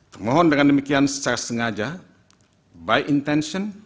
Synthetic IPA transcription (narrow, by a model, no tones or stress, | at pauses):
t̪ərmɔɦɔndəŋandəmikiansə̥t͡ʃaɾasəŋad͡ʒa | bajʔint̪ɛnʃɔn